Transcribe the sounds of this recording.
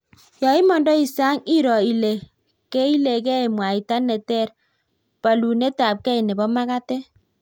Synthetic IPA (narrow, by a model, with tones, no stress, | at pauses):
jɔ˨i˦mɔ˨ndɔ˦i˨sa˦ŋi˦ɾɔ˨i˨le˨ | kɛ˦i˦le˨kɛ˦˨mwa˨i˨ta˦nɛ˨tɛ˦˨r | pa˨lu˨nɛ˦ta˨p̚kɛ˦i˨nɛ˨bɔ˦ma˦ka˦tɛ˦